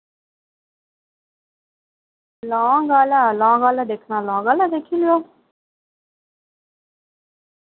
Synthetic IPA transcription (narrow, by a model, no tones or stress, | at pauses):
lɔ̃ːɡalalɑ̃ːɡalad̪ekʰnãlɔ̃ːɡalad̪ekʰiljo